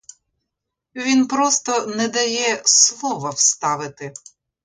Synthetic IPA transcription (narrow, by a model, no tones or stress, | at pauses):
ʋʲinpɾɔst̪ɔnɛd̪ɐjɛslˠɔʋɐwst̪ɑʋɪt̪ɪ